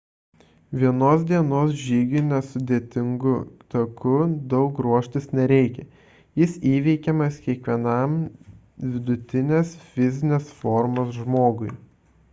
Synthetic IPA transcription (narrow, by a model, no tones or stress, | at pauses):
ʋʲiɛnoːs̬d̪ʲiɛnoːsʒʲiːɡʲɪnʲɛsʊd̪ʲeːt̪ʲɪŋɡʊt̪ɐkʊd̪ɒʊkɾuɔʃʲt̪ʲɪsnʲɛɾʲɛɪkʲɛ | jɪsiːʋʲɛɪkʲɛmɐskʲiɛkʋʲiɛnɐˑm | ʋʲɪd̪ʊt̪ʲɪnʲeːsfʲɪzʲɪnʲeːsfɔɾmoːsʒmoːɡʊɪ